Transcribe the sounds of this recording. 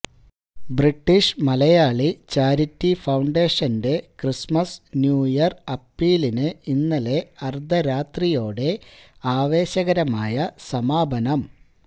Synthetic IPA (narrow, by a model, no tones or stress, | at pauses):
briʈːiʂmɐlɐjaːɭit͡ɕaːɾitːifɐwɳɖe̞ːʂɐnde̞krismɐsnjuːjɐrɐpːiːlinɨinːɐle̞ɐrd̪ʱɐɾaːt̪rijo̞ːɽe̞aːʋe̞ːɕɐɣɐɾɐmaːjɐsɐmaːbʱɐnɐm